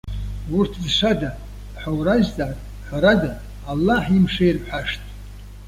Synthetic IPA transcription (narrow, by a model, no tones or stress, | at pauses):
urtʰdʃʷada | ħawrazdaːtʼ | ħʷaɾadaː | lːaħimʂejrħʷaʂtʼ